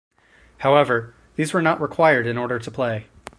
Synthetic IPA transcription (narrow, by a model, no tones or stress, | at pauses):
haʊɛvə˞ | ðizwə˞nəʔɹɪkʰw̥aɪə˞ɾɨ̃nɔɹɾə˞ɾəpʰl̥eɪ